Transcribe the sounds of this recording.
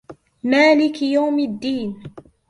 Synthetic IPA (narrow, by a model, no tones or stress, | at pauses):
maːlɪkjawmad̪ːiːn